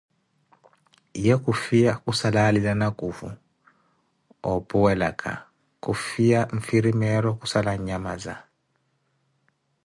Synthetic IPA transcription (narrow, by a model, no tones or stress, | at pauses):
jek̬ʼufijakʼusalalilanaɡ̥ʼʱuvṵ | ɔpʼuwɛlakʰʼa̰ | kʼufijaɱfiɾimɛɾɔkʼusalaɲamaza̰